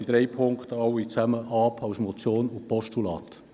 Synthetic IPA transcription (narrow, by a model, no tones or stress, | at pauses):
id̥̪ɾɛɪpʰʊŋkt̪ɑwit͡sæməʔɑːpʰɑʊsmɔt͡sjoːnʊpɔʃtulɑ̰ːt